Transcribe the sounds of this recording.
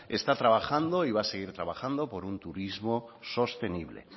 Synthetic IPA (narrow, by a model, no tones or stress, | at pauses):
e̞st̪at̪ɾaβaxand̪o̞iβase̞ɣ̞iɾt̪ɾaβaxand̪o̞po̞ɾunt̪uɾizmo̞so̞st̪e̞niβlḛ